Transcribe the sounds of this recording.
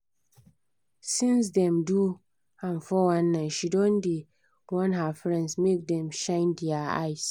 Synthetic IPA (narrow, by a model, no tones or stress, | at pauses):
sĩns̬dɛ̃mdu | ãnfɔwãnːaɪʃidɔ̃ndi | wɔ̃nɦafɹɛ̃ndsmek̚dɛ̃mʃãɪ̃ndɛaa̰js